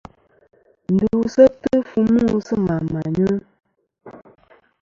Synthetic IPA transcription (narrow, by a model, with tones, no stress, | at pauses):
n̩˨du˨sə˦tə˦fu˦mu˦sə˦ma˨ma˨ɲə˦